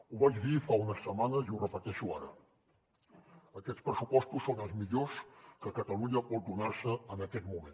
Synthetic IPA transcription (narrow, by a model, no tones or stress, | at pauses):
uβad͡ʒβifaunəsːəmanəziurəpət̪ɛʃuaɾə̰ | əkɛt̪spɾəsupɔst̪usːonəlˠzmiʎoskəkət̪əluɲəpɔt̪̚d̪unaɾsəənəkɛt̪mumẽn